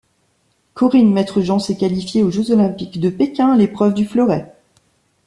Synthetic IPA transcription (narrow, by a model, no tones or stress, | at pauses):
kɔʁinmɛt̪χəʒɑ̃sɛkalifjeoʒøzɔlɛ̃pikd̪əpekʲɛ̃lepχœvd̪yflɔʁɛ